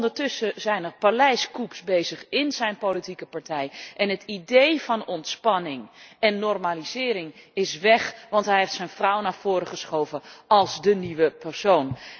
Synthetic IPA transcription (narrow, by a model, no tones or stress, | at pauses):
ndəɹtʏsəzɛjnərpalɛjskupsbejzəχɪnzɛjnpolitikəpɑɹtɛjʔɛnɦətidejvɑnɔntspɑnɪŋɛnːɔrmaːlizɪːɾɪŋɪsʋɛχʋɑntɦɛjɦeftsɛjnvrʌwnaːɹv̥ʊːɾəχəsχowvənɑlˠzdəniʋəpɛɹsown